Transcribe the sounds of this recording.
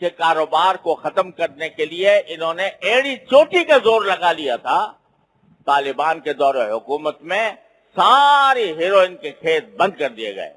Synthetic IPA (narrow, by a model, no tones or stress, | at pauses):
kekaːɾoːbaːɾkoxɐt̪əmkɐɾnekelieɪnɦõːneʔeːɽit͡ʃoːʈikazoːɾlɐɡalijat̪ʰaː | t̪aːlɪbaːnked̪ɔːɾeɦʊkuːmət̪mẽ | saːɾiɦeːɾoːɪnkekʰeːt̪̚bɐ̃nd̪̚kɐɾd̪ijḛɡɐ̰ḛː